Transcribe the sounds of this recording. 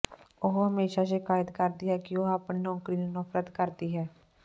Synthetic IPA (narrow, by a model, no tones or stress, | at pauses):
oɦɦəmeːʃaːʃɪkaːjɪd̪kəɾd̪iːɦɛːkɪoːaːpɳiːɔ̃ːkɾiːnũːnəfɾət̪kəɾd̪iːɦɛː